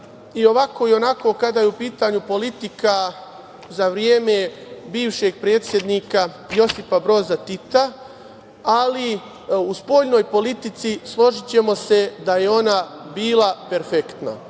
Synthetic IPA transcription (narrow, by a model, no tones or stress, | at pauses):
io̞ʋako̞io̞nako̞kad̪ajeupiːt̪aɲupo̞lit̪ika | zaʋɾjeːme̞biːʋʃe̞ɡ̚pɾe̞ːt̪sʲje̞d̪niːka | jo̞sifabɾo̞ːzat̪it̪a | ali | uspo̞ʎno̞ːjpo̞lit̪it̪sislˠo̞ʒit͡ɕe̞mo̞se̞d̪aje̞o̞nabiːlˠape̞ɾfekt̪na̰